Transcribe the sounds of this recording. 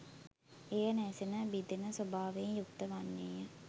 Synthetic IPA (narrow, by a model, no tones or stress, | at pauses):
ejənɛːsenəbid̪enəsobaːʋeɲjuk̚t̪əʋanːeːjə